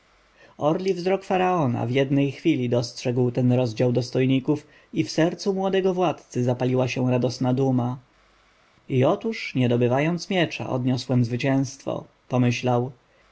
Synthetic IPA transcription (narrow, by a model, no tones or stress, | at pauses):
ɔɾlʲivzɾɔkfaɾaɔna̰vjɛd̪nɛjxfʲilʲid̪ɔstʂɛɡwt̪ɛnɾɔzd͡ʑawd̪ɔst̪ɔjɲikuf | ifsɛɾt̪sumwɔd̪ɛɡɔvwat̪t̪sɘzapalʲiwaɕɛ̃ɾad̪ɔsnad̪uma | iɔt̪uʂɲɛd̪ɔbɘvajɔnt̪smʲjɛt͡ʂa̰ʔɔ̰d̪ɲɔswɛmzvɘt͡ɕɛ̃w̃st̪fɔ̰ | pɔmɘɕlaw